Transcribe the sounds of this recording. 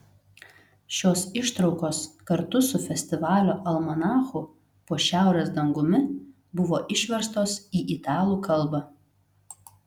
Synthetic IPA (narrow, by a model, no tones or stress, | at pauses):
ʃʲoːsɪʃt̪ɾɒʊkoːskɐɾt̪ʊsʊfʲɛsʲt̪ʲɪʋɑːlʲoːʔɐlˠmɐnɑːxʊ | poːʃʲæˑʊɾʲeːsd̪ɐŋɡʊmʲɪ | bʊʋoːʔɪʃʲʋʲɛɾst̪oːsiːʔɪt̪ɑːlˠuːkɐlˠbɑ